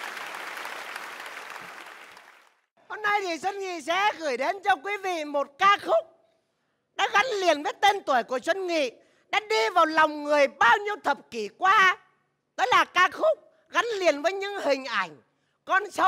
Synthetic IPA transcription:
ho˧mna˧jt̪ʰi˨˩t͡ɕwə˧nŋḭ˧˨sɛ̰˧˥ɣɨː˧˩jɗe˨˦nt͡ɕɔ˧kwi˨˦vḭ˧˨mo˨˩t̚kaː˧xʊ˦˥k͡p̚ | ɗa̰ː˧˥ɣa˨˦nli˨˩ənvəː˨˦jt̪e˧nt̪u˧˩əjku˧˩ət͡ɕwə˧nŋḭ˧˨ | ɗa̰ː˧˥ɗi˧vaː˨˩wlɔ˨˩wŋ͡mŋɨ˨˩əjɓaː˧wɲi˧əwt̪ʰə˨˩p̚ki˧˩kwaː˧ | t̪əː˨˦jlaː˨˩kaː˧xʊ˦˥k͡p̚ | ɣa˨˦nli˨˩ənvəː˨˦jɲɨ̰˧˥ŋhï˨˩ŋ̟ʔa˧˩jŋ̟ | kɔ˧nsə˨˦w

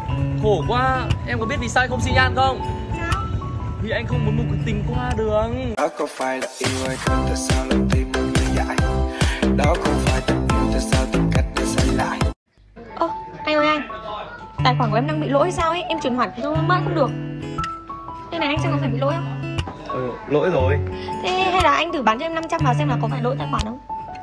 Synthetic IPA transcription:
xo˧˩kwaː˧ʔɛ˧mkɔ˨˦ɓi˦˥ət̚vi˨˩saː˧wŋxə˧wŋ͡msi˧za̰ː˧˨nxə˧wŋ͡m | vi˨˩ʔa˧jŋ̟xə˧wŋ͡mmu˨˦nmu˧˨˦k̚t̪ï˨˩ŋ̟kwaː˧ɗɨ˨˩ək̚ɔ˨˦kɔ˨˧˦faː˧˩jlaː˨˩ʔi˧wə˧˩jxə˧ŋ͡mt̪aː˨˩saː˧wla˨˩t̪i˧ə˧nmi˧za̰ː˧˨j | ɗɔ˨˦xə˧ŋ͡mfaː˧˩jt̪ə˨˩t̚mi˧˩nt̪aː˨˩saː˧wt̪ï˨˩ŋka˦˥jk̟̚ɗe˨˩sa˧˩jla̰ː˧˨j | ʔo˧˩ʔa˧ŋ̟zɔː˧˩ʔa˧jŋ | t̪aː˨˩jxwaː˧˩nkɗa˧ŋɓḭ˧˨lo̰˧˥jhə˧saː˧wʔə˨˦jʔɛ˧mt͡ɕwi˨˩ənhwaː˧˩˨sə˧˦hə˧˦məː˧ŋxə̰˧˥ŋ͡mɗɨ˨˩ək̚ | t̪ʰe˧na˨˩jʔjŋsa̰ː˧˨ŋkɔ˨˦faː˧˩jɓḭ˧˨lo̰˧˥˦jhə˧wŋ͡m | ʔɨː˨˩lo̰˧˥jzo˨˩jt̪ʰe˨˦ha˧jlaː˨˩ʔa˧jt̪ɨ˧˩ɓaː˨˦nt͡ɕɔ˧ɛ˧mna˧mt͡ɕa˧˥mvaː˨˩wzɛ˧mlaː˨˩kɔ˨˦faː˧˩jlo̰˧˥jt̪aː˨˩jxwaː˧˩nʔə˧wŋ͡m

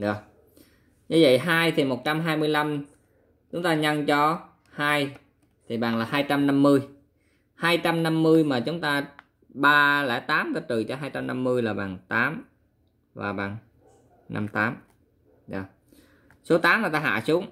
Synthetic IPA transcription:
ɗɔ˨˩ | ɲɨ˧və̰˧˨jɦaː˧jt̪ʰi˨˩mo˨˩t̚t͡ɕa˧mɦaː˧jmɨ˧əjla˧m | t͡ɕʊ˨˦ŋ͡mt̪aː˧ɲa˧ŋt͡ɕɔ˧ | haː˧j | t̪ʰi˨˩ɓaː˨˩ŋlaː˨˩haː˧jt͡ɕa˧mna˧mːɨ˧əj | haː˧jt͡ɕa˧mna˧mːɨ˧əjmaː˨˩t͡ɕʊ˨˦ŋ͡mt̪aː˧ | ɓaː˧lɛ̰˧˩t̪aː˨˦mɗɔ˧˨˦t̪ɨ˨˩t͡ɕɔ˧ɦaː˧jt͡ɕa˧mna˧mːɨ˧əjlaː˨˩ɓa̰ː˨˩ŋt̪aː˨˦m | va̰ː˨˩ɓaː˨˩ŋ | nʔa̰˧mt̪aː˨˦m | ɗɔ˨˩ | so˨˦t̪aː˨˦mŋaː˨˩jt̪aː˧ɦa̰ː˧˨su˨˦əŋ

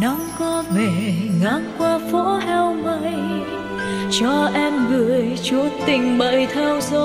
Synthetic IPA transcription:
nɔ˨˦ŋkɔ˧me˧˩ŋaː˨˦ŋkwaː˧fo̰˧˥hɛ˧wmə˧˨j | t͡ɕɔ˧ʔɛ˧mɣɨ˧˩əjt͡ɕu˨˦ət̪ï˨˩ŋ̟ɓə̰˧˨jt̪ʰɛ˧wzo˧

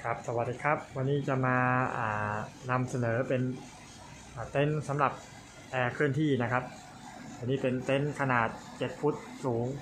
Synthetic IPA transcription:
kʰɾa˦˥p̚sa˧wa˨˩t̪̚diː˨˧˩kʰa˦˥p̚wa˧nːiː˦˥˩t͡ɕa˨˩maː˧ʔa̰ː˨˩na˧msa˧nɤː˩˦pe˧n | ʔaː˨˩t̪e˦˥˩nsa˩˦mɾa˨˩p̚ | ʔɛː˧kʰɯ˥˩ənt̪ʰiː˥˩na˦˥kʰa˦˥p̚ː | nːiː˥˩pe˧nt̪e˦˥˩nkʰa˧naː˨˩t̪̚t͡ɕe˨˩t̪̚pʰu˦˥t̪̚suː˩˦ŋ

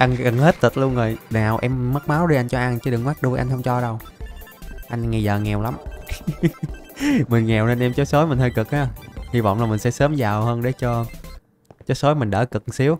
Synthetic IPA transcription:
ʔa˧jŋka˨˩ŋhe˦˥t̚t̪ɨ˨˩lu˧ənzo˨˩jnaː˨˩wʔɛ˧mːə˦˥t̚maː˨˦wɗi˧ʔa˧jŋ̟t͡ɕɔ˧ʔa˧nt͡ɕɨ˧˦ɗɨ˨˩k̚maː˦˥t̚ɗu˧əjʔa˧ŋ̟hə˧wŋ͡mt͡ɕɔ˧ɗə˧w | ʔa˧jŋ̟ŋi˨˩jzəː˨˩ŋɛ˨˩wla˨˦m | mi˨˩ŋŋɛ˨˩wne˧nʔɛ˧mt͡ɕo˨˦jso˨˦jmï˨˩ŋ̟h̪ʰəː˧jkɨ˨˩k̚ʔaː˨˧˦hi˧vɔ̰˧˨wŋ͡mlaː˨˩mi˨˩ŋ̟sɛ̰˧˥səː˨˦mzaː˨˩whəː˧nɗe˧˩t͡ɕɔ˧ | t͡ɕo˨˦j̚so˨˦jmï˨˩ŋ̟ɗə̰ː˧˩kɨ˨˩k̚si˨˦əw

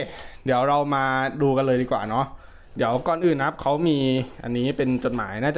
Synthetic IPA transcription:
di˩˦əwɾa˧wmaː˧duː˧ka˧nlɤː˧jdiː˧kwa̰ː˨˩nɔ˦˥ʔ | di˩˦əwkɔː˧nʔɯː˨˩nːa˦˥p̚kʰa˦˥wmiː˧ʔa̰˧nːiː˦˥pe˧nt͡ɕo˨˩t̪̚ma̰ː˩˦jnaː˥˩t͡ɕa

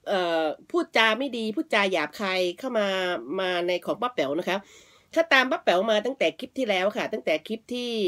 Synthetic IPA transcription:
ʔɤː˨˩pʰuː˥˩t̪̚t͡ɕaː˧ma˥˩jdiː˧pʰuː˥˩t̪̚t͡ɕaː˧jaː˨˩p̚kʰaː˧jkʰa˥˩wmaː˧maː˧na˧jkʰɔː˩˦ŋba˦˥p̚ːɛ˩˦wna˦˥kʰa˦˥p̚ | kʰaː˥˩t̪aː˧mba˦˥p̚pɛ˩˦wmaː˧t̪a˥˩ŋt̪ɛː˨˩kʰi˦˥p̚t̪ʰiː˥˩lɛː˦˥wkʰa˥˩t̪a˥˩t̪ɛː˨˩kʰi˦˥p̚t̪ʰiː˥˩

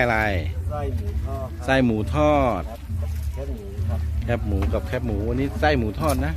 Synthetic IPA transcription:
la˧j | sa˧˩jmuː˩˦t̪ʰɔː˥˩t̪̚ | kʰɛ˦˥p̚muː˩˦ka˨˧˩p̚kʰɛ˦˧˥p̚muː˩˦wa˧nːiː˦˥sa˧˩jmuː˨˦t̪ʰɔː˥˩t̪̚na˦˥

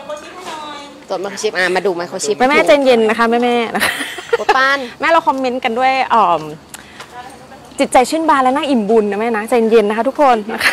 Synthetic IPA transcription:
t̪u˨˩nma˧˩kʰa˧˩t͡ɕi˦˥p̚ʔaː˧˩maː˧duː˧ma˦˥jkʰa˧˦t͡ɕʰi˦pmaː˥˩mɛː˦˥˩t͡ɕa˧nje˧nːa˦˥kʰa˦˥mɛː˥˩mɛː˥˩nʔa˦˥kʰa˦˥kʰu˧˩t̪a˥˩˨nmɛː˥˩ɾa˧wkʰɔ˧mːe˦˥nka˧ndu˥˩əjʔɤː˨˩m | t͡ɕi˨˩t̪̚t͡ɕa˧jt͡ɕʰɯ˥˩nbaː˧˩nlɛ˦˥wnaː˦˥˩ʔi˨˩mbu˧nːa˧˩maː˥˩na˦˥t͡ɕa˧e˧nje˧nːa˦˥kʰa˦˥t̪ʰu˥kʰːo˧nːa˦˥kʰa˦˥

